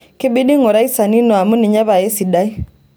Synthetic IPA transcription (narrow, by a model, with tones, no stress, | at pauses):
kɪ˦bi˦di˦ŋɔ˨ɾa˦i˦sa˨ni˦nɔ˨a˨mu˦nɪ˨ɲa˦βa˨ɛ˦si˨da˦i˦